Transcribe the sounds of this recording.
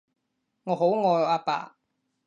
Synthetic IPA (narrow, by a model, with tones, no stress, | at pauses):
ŋɔː˨˧ɦo˨˥wŋɔː˧jaː˧pa̰ː˨